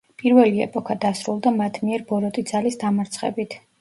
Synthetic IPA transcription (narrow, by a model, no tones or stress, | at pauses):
pʼiɾvɛliɛ̰pʼɔkʰad̪asɾulˠd̪amat̪ʰmiɛɾbɔɾɔt̪ʼid̪zalisd̪amaɾt̪sʰχɛ̰bit̪ʰ